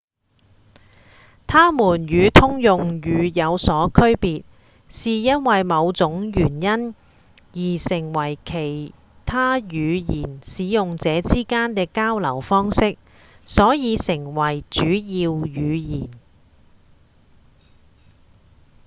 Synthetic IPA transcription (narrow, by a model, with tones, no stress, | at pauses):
t̪ʰaː˥muː˨˩njyː˨˧t̪ʰʊ˥ŋjʊ˨ŋjyː˨˧jɐ˨˧wsɔː˨˥kʰɵ˥ɥpiː˨t̚ | siː˨jɐ˥nwɐ˨jmɐ˨˧wt͡sʊ˨˥ŋjyː˨˩njɐ˥n | jiː˨˩sɪ˨˩ŋwɐ˨˩jkʰe˨˩j | t̪ʰaː˥jyː˨˧jiː˨˩nsiː˨˥jʊ˨ŋt͡sɛː˨˧t͡siː˥kaː˥nkɛː˧kaː˥wlɐ˨˩wfɔː˥ŋsɪ˥k̚ | sɔː˨˥jiː˨˧sɪ˨˩ŋwɐ˨˩jt͡ʃyː˨˥jiː˧wjyː˨˧jiː˨˩n